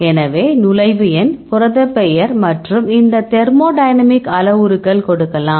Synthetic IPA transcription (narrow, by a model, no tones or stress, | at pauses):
ɛnɐʋeːnʊlɐɪʋɯjɐnpʊɾɐðɐpːɛjɐɾmɐʈrɯmɪnd̪ɐt̪ɛɾmoːɖɐjnɐmɪkɐlɐʋɯɾɯkːɐɭkɔɽɯkːɐlãːm